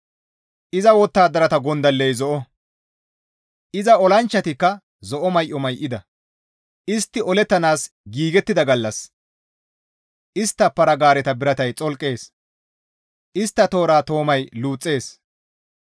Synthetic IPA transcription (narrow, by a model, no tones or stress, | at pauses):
ʔɪzɐwɔt̪ːaːd̪ɐɾɐt̪ɐɡɔnd̪ɐlːɛjzɔʔɔ | ʔɪzɐɔlɐnt͡ʃːɐt̪ɪkːɐ | zɔʔɔmɐjʔɔmɐjʔɪd̪ɐ | ʔɪst̪ːɪʔɔlɛt̪ːɐnaːs | ɡiːɡɛt̪ːɪd̪ɐɡɐlːɐs | ʔɪst̪ːɐpːɐɾɐɡaːɾɛt̪ɐbɪɾɐt̪ɐjt͡sʼɔlkʼːe̞ːs | ʔɪst̪ːɐt̪o̞ːɾaːt̪o̞ːmɐjluːt͡sʼːe̞ːs